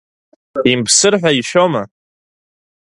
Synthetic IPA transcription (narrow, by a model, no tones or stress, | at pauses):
impʰsɨrħᶣʷaiʃoma